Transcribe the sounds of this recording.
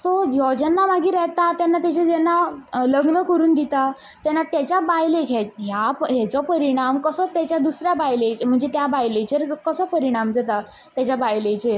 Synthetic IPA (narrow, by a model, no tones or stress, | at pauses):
sɔjɔd͡ʑənːamaɡiːɾɛɦt̪at̪janːat̪at͡ɕed͡zɛnːaləɡnəkəɾuːnd̪it̪a | t̪janːat̪jat͡ɕjabajlekʰet̪ɦjapɦɛt͡sɔpəɾiɽ̃amkəsət̪jat͡ɕjad̪usɾjabajlet͡ɕem̤əɳd͡zet̪jabajlet͡ɕeɾkəsəpəɾiɽ̃amd͡zət̪a | t̪jat͡ɕjabajlet͡ɕe